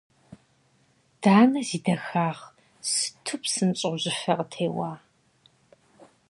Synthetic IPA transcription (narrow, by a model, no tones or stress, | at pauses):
d̥aːnɐziːdɐxaːʁ | sɨ̥tʰʊpʰsɨmt͡ʃʼɨʑɪfɐqtʰeːwaː